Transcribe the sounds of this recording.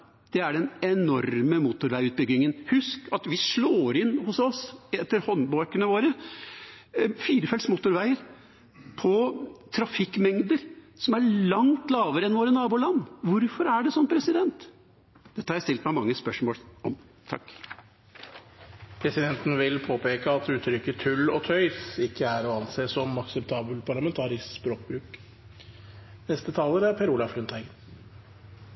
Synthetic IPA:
d̪̥ɛæɖɛnɛnɔɾməmuːt̪ʊɾʋæɪʉːt̪̚bʏɡːɪŋənhʉskɑt̪ʋɪʂɭoːɾɪnːhʊsɔsɛt̪ːəɾhɔnboɾkənəʋoːɾə | fiːɾəfɛlsmuːt̪ʊɾʋæɪəɾ | pʰɔt̪ʰɾɑfɪkːmɛŋd̪əɾ | sɔmæɭɑŋt̪lɑːʋəɾəɛnʋoːɾənɑːbuːlɑnːʋʊɾfɔɾæɖɛsɔnpʰɾɛsɪd̪ɛnt̪ | d̪̥ɛt̪ːəhɑɾjæɪst̪ɪlt̪mæɪmɑŋːəspœʂmoːlʔɔm | t̪ʰɑ̰kː | pʰɾɛsɪd̪ɛnt̪n̩ʋɪlpʰoːpeːkəɑt̪ʉːt̪ʰɾʏkːət̪ʰʉlːɔt̪ʰœʏsɪkːəæɾɔɑnseːsɔmɑksɛp̚t̪ʰɑːbəlpʰɑɭɑmɛnt̪ʰɑːɾɪsspɾoːk̚bɾʉːk | nɛst̪ət̪ʰɑːləɾæɾpʰæɾuːlɑflʉnt̪ʰæɪɡən

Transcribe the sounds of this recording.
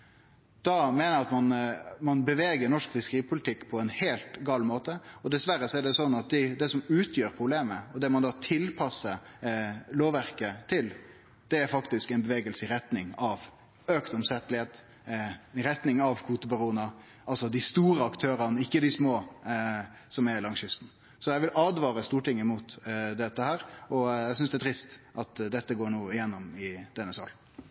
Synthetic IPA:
d̪̥ɑmɛːnəɑt̪mɑnmɑnbəʋeːɡəɾnɔʂkfɪskəɾiːpʰʊlɪt̪ʰɪkːpʰɔɛnheːlt̪ɡɑːlmoːt̪əɔd̪ɛsʋæɾːəsɔæɖ̪ɛsɔnːɑt̪̚d̪ɪd̪ɛsɔmʉːt̪ʰjøːɾpʰɾʊbleːməɔd̪ɛmɑnd̪ɑːt̪ʰɪlpʰɑsːə | loːʋæʁkət̪ʰɪl | d̪̥ɛæɾfɑkt̪ɪskæɛɪnbəʋeːɡəlsəɪɾɛt̪nɪŋɑʋ | øːkt̪ɔmsɛt̪əlɪheːt̪ | ɾɛt̪nɪŋɑʋkʰuːt̪əbɑɾuːənə | ʔɑlsɔd̪ɪst̪uːɾəɑkt̪ʰøːɾɑnəɪkːəd̪ɪsmoː | sɔmɛɾlɑŋsʏst̪n̩ | sɔjæɪʋɪlɑːd̪ʋɑːɾəst̪uːʈɪŋːəmuːt̪d̪ɛt̪ːəhæːɾɔjæɪsʏnsd̪ɛæt̪ʰɾɪst̪ʔɑt̪d̪ɛt̪ːəɡoːɳuːɪjɛnːɔmɪd̪̥ɛnːəsɑ̰l

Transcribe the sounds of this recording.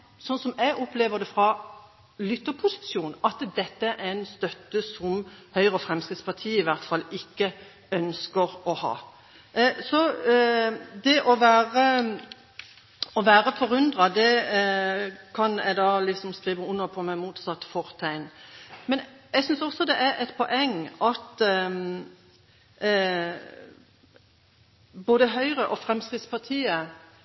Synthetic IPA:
sɔnsɔmæɡɔpleːʋəd̪ɛfʁɑ | lʏt̪ːəpʰʊsɪ̥sjuːnɑt̪d̪ɛt̪ːəæɾʔænst̪œt̪ːəsɔmhœʏʁəɔfʁɛmskɾɪt̪spʰɑʁt̪ʰiːɪʋæʁt̪fɑlːɪkːə | œnskəʁɔhɑ̰ː | sɔ | d̪ɛʔɔʋæːʁə | ɔʋæːɾəfɔɾʉnd̪ʁɑd̪ɛ | kʰɑnɛ̰ɡd̪ɑːlɪksɔmskʁiːʋəʊnːəpʰɔmɛmuːt̪sɑt̪ːfɔɾt̪ʰæɪnmɛnɛɡsʏnsɔsɔd̪ɛʔæɾʔɛt̪pʰɔʔɛŋːɑt̪ | boːd̪əɦœʏʁəʔɔfʁɛmskʁɪd̪spɑʁt̪ʰiːə

